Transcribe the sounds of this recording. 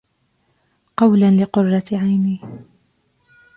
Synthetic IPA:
qɑwlanlɪqʊrˤːɑʕajniː

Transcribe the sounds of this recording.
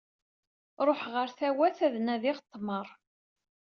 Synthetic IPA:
ɾˤoħʁəɾθæwæθæðnæðiʁt̪ˤːməɾˤ

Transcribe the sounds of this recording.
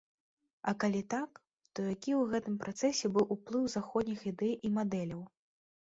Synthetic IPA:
ɐkalʲit̪ak | t̪ɔjakʲiwɣɛt̪ɨmpɾʔat̪sɛsʲɛbɨwʔuplˠɨwzaxɔd̪ʲnʲixid̪ɛjimad̪ɛlʲɐw

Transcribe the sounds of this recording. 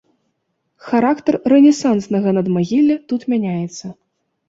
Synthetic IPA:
xaɾakt̪ɐrːɛnʲɛsansnɐɣɐnɐd̪maɣʲilʲːɛt̪ut̪mʲanʲajɛt̪sːɐ

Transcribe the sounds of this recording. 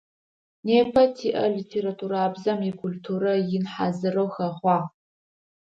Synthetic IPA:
neːpʰɐtʰiʔɐlitʰeɾatʰuːɾaːbzɐmikʷʰultʰuːɾɐjɪnħa̰zɨrowxɐχʷɑː

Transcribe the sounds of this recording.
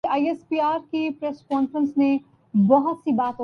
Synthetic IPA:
aːiespiːaːɾkipɾeːskɔːnfɾə̃nsnẽ | bɔɦʊt̪sibaːt̪o

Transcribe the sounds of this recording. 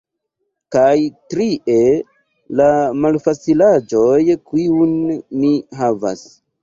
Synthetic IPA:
kajtɾiʔe | lamalfat͡silad͡ʒojkiunmiɦava̰s

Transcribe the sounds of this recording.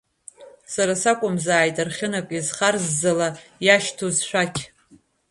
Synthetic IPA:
saɾasakʷʼʊmzaːjtʼarχʲɪnakʷʼizχarzːalajaʃtʰozʃʷᶣakʲʰ

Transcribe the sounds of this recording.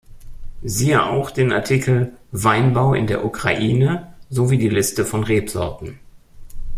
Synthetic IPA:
ziːəʔa̰ʊxd̥eːnʔa̰ɐtʰikʰl̩vaɪnbaʊʔɪ̰ndeːɐʔukʁ̥a̰ʔiːnəzoviːdiːlɪstəfɔnʁeːpz̥ɔɐtn̩

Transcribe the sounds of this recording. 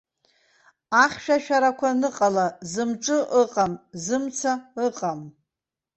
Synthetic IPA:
aχʲʃᶣaʃᶣaɾakʷʰanɨqʼalazɨmʈ͡ʂʼɨʔəqʼamzɨmt͡sʰaɨqʼam

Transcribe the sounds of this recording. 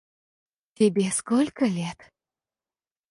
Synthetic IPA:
t̪ʲebʲeskolʲkəlʲet̪

